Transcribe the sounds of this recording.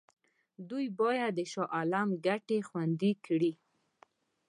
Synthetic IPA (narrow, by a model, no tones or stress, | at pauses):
d̪ujbɑjad̪̚ːəʃɑʔalamɡaʈexwand̪ikɽi